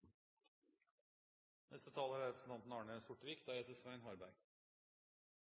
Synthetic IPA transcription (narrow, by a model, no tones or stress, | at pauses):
nʔɛ̰st̪ət̪ʰɑːləæɾæɾfnɑnt̪n̩ɑːɳəɛnst̪ʊʈʋiːkd̪æeːt̪əsʋæɪnhɑɾbæɪ